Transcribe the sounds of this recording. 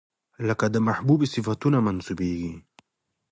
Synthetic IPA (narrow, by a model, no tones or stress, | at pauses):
ləkad̪əmaħbubesɪfat̪unamansubeɡi